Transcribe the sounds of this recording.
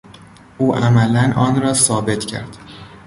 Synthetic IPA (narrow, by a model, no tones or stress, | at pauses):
ʔuːʔæmælænʔɒːnɾɒːsɒːbe̞t̪ʰcʰæ̰ɾd̪̥